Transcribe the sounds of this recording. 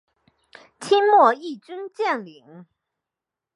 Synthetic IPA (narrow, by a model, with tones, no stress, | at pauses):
t͡ɕʰi˥nmwɔ˥˧i˥˩ʈ͡ʂi˥nt͡ɕjɛ˥˩nli˨˩˦ŋ